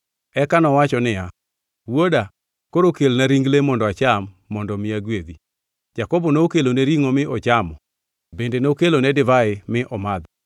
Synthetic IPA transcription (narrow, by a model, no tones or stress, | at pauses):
ɛkanɔwat͡ʃɔnɪja | woda | koɾokelnaɾiŋɡlemɔndɔat͡ʃamːɔndɔmɪaɡwed̪i | d͡ʒakɔbɔnookeloneɾiŋomɪʔɔt͡ʃamɔ | bendenookelonɛdɪvaɪmɪʔɔmad̪ɔ